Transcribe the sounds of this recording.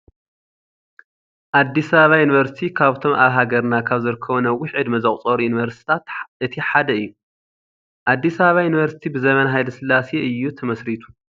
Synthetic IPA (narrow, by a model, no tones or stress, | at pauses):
ʔad̪ːisɐβaβajuniβɐɾsi̥t̪ʰikʰaβt̪ʰo̞mʔaβɦaɡɐɾnakʰaβzɨɾɨkʰːɐβnɐwʊħɨd̪mɐzɐχʼt͡sʼoɾujunivɐɾst̪ʰi̥t̪ʰat̪ʔɨt̪ʰiħad̪ɐɨjːu | ʔad̪ːisɐβaβajunβɐɾsi̥t̪ʰibɨzɐmɐnɦajlɐsɨlːaseɨjːut̪ʰɐmɐsɾit̪ʰu̥